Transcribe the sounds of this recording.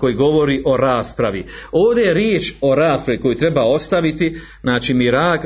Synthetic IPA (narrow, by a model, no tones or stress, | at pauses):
ko̞jiɡo̞ʋo̞ɾiʔo̞ɾaːspɾaʋio̞ːʋd̪e̞jeɾjeːt͡ʃo̞ɾaːspɾaʋiko̞jut̪ɾe̞bao̞st̪aʋit̪i | znaːt͡ʃimiɾaːk